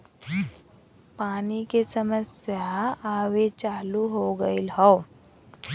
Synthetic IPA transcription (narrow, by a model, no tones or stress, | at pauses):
panikesəməsjaaʋet͡ɕaluɦoɡəilɦɔw